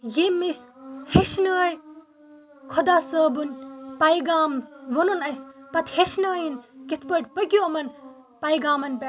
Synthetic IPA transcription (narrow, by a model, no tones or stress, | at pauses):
jemisheʃnəj | kʰod̪aːsəːbunpɐiɡaːmʋonunɐspɐt̪ʰheʃnəːjinkit̪ʰpəʈpɐɡʲjoɐmɐn | pɐjiɡaːmɐnbe